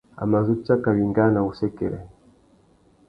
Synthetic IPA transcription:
a̰˨ma˨zu˦t͡ʃa˦ka˨βi˨ŋɡa˦na˨u˨sɛ˦kɛ˨lɛ˨

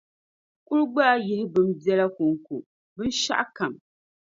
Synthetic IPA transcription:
kʊ˦ɾɡ͡baː˦jɪ˦hɪ˦bɨ˦m̩˦bɛ˦la˦kʊ˨ŋ˨ku˨ | bɨ˦n˦ʃa̰˦ʔka˨m

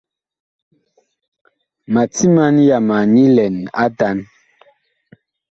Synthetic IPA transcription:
ma˨ti˦ma˦nja˨ma˨ni˦lɛ˨na̰˦da˦n

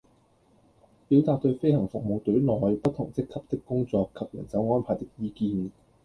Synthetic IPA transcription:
piː˨˥wt̪aː˧k̚t̪ɵ˧ɥfe˥jhɐ˨˩ŋfʊ˨k̚mo˨wt̪ɵ˨˥ɥlɔː˨jpɐ˥t̚t̪ʰːʊ˨˩ŋt͡sɪ˥kʰːɐ˨p̚t̪ɪ˥kːʊ˥ŋt͡sɔː˧kʰːɐ˨p̚jɐ̰˨˩nt͡sɐ˨˥wŋɔː˥npʰaː˨˩jt̪ɪ˥k̚jiː˧kiː˧n

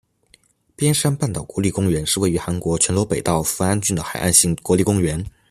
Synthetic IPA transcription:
pjɛ˥nʂa˥npa˥˩nt̪ɑ˨˩ʊkwɔ˧˥li˥˩kʊ˥ŋɥɛ˧˥nʂɻ̩˥˧we˥˩ɪy˧˥xa˧˥nkwɔ˧˥t͡ɕʰɥɛ˧˥nlɔ˧˥pe˨˩ɪt̪ɑ˥˩ʊfu˧˥a˥nt͡ɕy˥˩nd̪ə˩xa˨˩ɪʔa̰˥˧nɕi˥˩ŋkwɔ˧˥li˥˩kʊ˥ŋɥɛ˧˥n

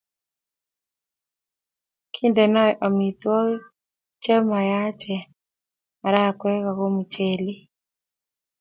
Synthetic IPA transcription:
kʰi˦ndɛ˨nɔ˦ʔɔ˨mi˨t̪wɔ˦ | t͡ʃɛ˦ma˨ja˦t͡ʃɛ˨ | ma˨ɾa˦˨kwɛ˦ka˨ɣo˦mu˨t͡ʃe˨li˦

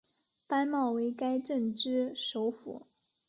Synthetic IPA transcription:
pa˥nmɑ˥˩ʊwe˧˥ɪka˥ɪʈ͡ʂə˥˩ŋʈ͡ʂɻ̩˥ʂo˧˥ʊfṵ˨˩˦

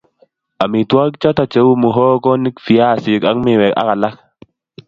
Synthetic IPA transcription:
a˨mi˨twa˦k̚t͡ʃɔ˦ta˨t͡ʃe˨˦wu˦mu˨ɦɔ˦kɔ˦ni˦kfi˨a˦˨si˨ka˦kmɪ˨wɛ˨ka̰˦ka˨la˦k

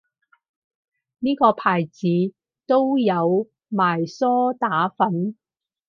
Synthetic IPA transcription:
niː˥kɔː˧pʰaː˨˩jt͡siː˨˥ | t̪o˥wjɐ˨˧w | maː˨˩jsɔː˥t̪aː˨˥fɐ˨˥n

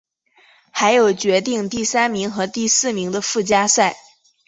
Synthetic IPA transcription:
xa˧˥ɪjo˨˩ʊt͡ɕɥɛ˧˥t̪̬i˥˧ŋt̪i˥˩sa˥nmi˧˥ŋxɤ˧˥t̪i˥˧sɹ̩˥˩mi˧˥ŋd̪ə˧fu˥˩t͡ɕja˥sa˥˩ɪ

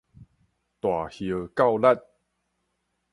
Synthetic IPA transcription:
t̪wa˨˩hjə˨˩˦ka˥˧˨wla˥˧t̚

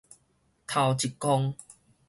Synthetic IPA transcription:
t̪ʰa˨˧wt͡ɕi˨kːɔ˧ŋ

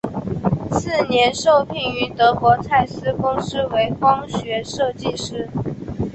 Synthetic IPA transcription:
sɹ̩˥˩njɛ˧˥nʂo˥˧ʊpʰi˥˩ŋy˧˥t̪ɤ˧˥kwɔ˧˥t͡sʰa˥˩ɪsɹ̩˥kʊ˥ŋʂɻ̩˥we˧˥ɪxwɑ˥ŋɕɥɛ˧˥ʂɤ˥˧t͡ɕi˥˩ʂɻ̩˥

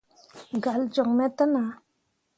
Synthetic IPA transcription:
ɡa˨ld͡ʒo˨ŋmet̪a˦na

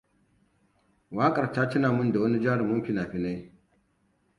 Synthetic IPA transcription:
waː˦kʼɐ˨rtaː˦tɪ˦naː˨mʊ˦nda˨wɐ˦ni˦d͡ʒaː˦ɽi˨mʊ˦mɸʲi˦naː˨ɸi˦na˦

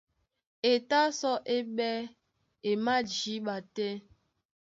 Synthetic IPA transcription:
e˨ta˦sɔ˦ʔe˦ɓɛ˦ | e˨ma˦d͡ʒi˨˦ɓa˨te˦

